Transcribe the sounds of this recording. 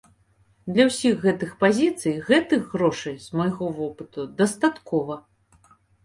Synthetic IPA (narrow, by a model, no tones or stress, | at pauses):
d̪lʲɐwsʲiɣːɛt̪ɨxpazʲit̪sɨjɣɛt̪ɨɣɣɾɔʂɐjzmɐjɣɔvɔpɨt̪ud̪ɐst̪at̪kɔvɐ